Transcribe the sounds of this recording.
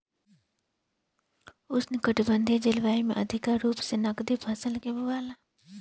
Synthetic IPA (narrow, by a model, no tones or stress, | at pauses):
ʊsnɪkəʈʰbə̃nd̪ʱid͡ʒɪlʋaːimḛ̃ʔɐ̰d̪ʱɪkaɾuːpsenɐɡd̪ipʰɐsəlkebʊʋaːla